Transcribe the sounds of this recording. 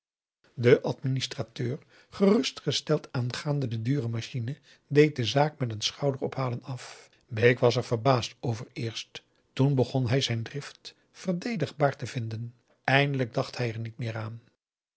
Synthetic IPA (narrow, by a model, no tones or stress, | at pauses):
dəʔɑtministratøːɹ | χərɵstχəstɛlˠtaːnχaːndədədyːrəmaʃinə | dejt̚dəzaːk̚mɛtənsχɑwdərɔ̰pɦaːlənɑf | bejkʋɑsɛɹv̥əɹbaːstowvəɹɪːɹst | tunbəχɔnɦɛjzɛjndrɪft | fəɹdejdəχbaːɹtəvɪndən | ɛjndələɡ̚dɑχthɛjɛɹnitmɪːɹaːn